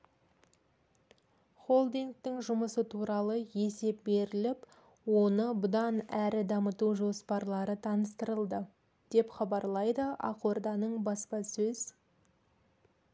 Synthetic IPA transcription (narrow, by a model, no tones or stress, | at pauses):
χo̞lˠd̪iŋk̚t̪ɪŋʒʊməsət̪ʰuɾɑlˠəje̞se̞p̚be̞ɾɪlɪp | wo̞nəbʊd̪ɑnæɾɪd̪ɑmət̪uʒo̞spɑɾlˠɑɾət̪ʰɑnəst̪əɾəlˠd̪ə | d̪̥e̞pχɑbɑɾlˠɑjd̪əʔɑ̰qord̪ɑnəɴbɑspɑsɵz̥